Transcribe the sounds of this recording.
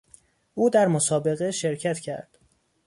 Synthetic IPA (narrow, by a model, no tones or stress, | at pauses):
ʔuːd̪æɾmosɒːbe̞ɣeʃe̞ɾcʰæt̪cʰæ̰ɾd̪̥